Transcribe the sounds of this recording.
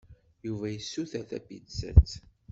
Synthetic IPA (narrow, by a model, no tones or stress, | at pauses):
juvæjəsːuθæθæ̰bid̪sə̰t͡sː